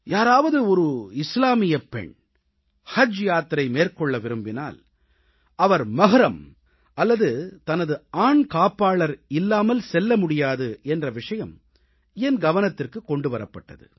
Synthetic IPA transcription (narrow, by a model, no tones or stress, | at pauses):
jaːɾaːʋɐðɯɔɾɯɪslaːmɪjɐpːɛ̰ɳ | hɐd͡ʒjaːt̪ɾɐɪmeːrkɔɭːɐʋɪɾɯmbɪna̰ːl | ɐʋɐɾmɐɣɐɾɐm | ɐlːɐðɯt̪ɐnɐðɯaːɳkaːpːaːɭɐɾɪlːaːmɐlsɛlːɐmʊɽɪjaːðɯɛndrɐʋɪʂɐjɐm | ɛnɡɐʋɐnɐt̪ːɪrkɯkːɔɳɖɯʋɐɾɐpːɐʈːɐ̰ðɯ̰